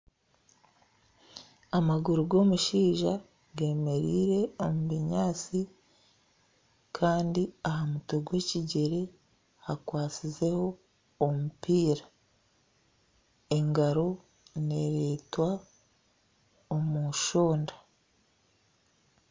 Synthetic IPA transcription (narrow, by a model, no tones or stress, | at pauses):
amaɡuɾuɡo̞ːmuʃiːʒa | ɡe̞ːme̞ɾiːɾe̞omuβiɲaːt͡si | kʰaːndiahamutoɡwe̞ːciɟe̞ɾe̞ | hakwaːt͡size̞ho̞ː | mupiːɾa | e̞ŋɡaɾo̞ | ne̞ɾetwa | omuʃoːnda